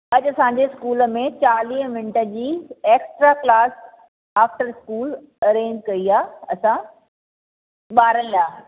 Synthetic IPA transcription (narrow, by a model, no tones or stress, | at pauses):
ɐʄɐsãɲd͡ʑeskuːlə̆mẽt͡ɕaːliːɦmɪ̃ɳʈəd͡ʑiːeːksʈɾaːklaːs | aːfʈəɾɪskuːl | ɐɾẽːɲd͡ʑkɐiaːɐsã | ɓaːɾəlɪlaː